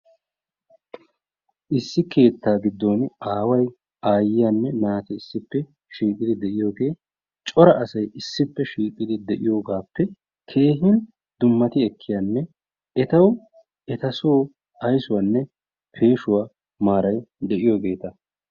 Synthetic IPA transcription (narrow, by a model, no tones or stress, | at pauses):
ʔɪsːɪke̞ːt̪ːaːɡɪd̪ːo̞ːnaːwɐj | aːjɪjanːɛnaːt̪ɛɪsːɪpːɛ | ʃiːkʼɪd̪ɪd̪ɛʔɪjo̞ːɡe̞ː | t͡ʃʼɔɾɐʔɐsɐjʔɪsːɪpːɛʃiːkʼɪd̪ɪd̪ɛʔɪjo̞ːɡaːpːɛ | kʰe̞ːɦɪn | d̪ʊmːɐt̪ɪɛkʰːɪjanːɛ | ɛt̪ɐw | ʔɛt̪ɐsoː | ɐjsʊwaːnːɛ | pʰe̞ːʃʊwaː | maːɾɐjd̪ɛʔɪjo̞ːɡe̞ːt̪ɐ